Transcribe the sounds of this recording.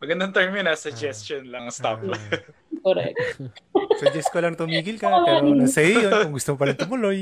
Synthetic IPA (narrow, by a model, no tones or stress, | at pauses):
mɐɡɐnd̪ɐŋt̪ɛɹmɪnɐsɐd͡ʒɛst̪onlɐŋst̪apla | koɾɛ̰k̚t̪sɐd͡ʒɛskolɐŋt̪ʊmiːɡɪlkɐpɛːɾonɐsɐjojo̞nkʊŋɡʊst̪omop̬ɐɾɪnt̪ʊmʊlo̞j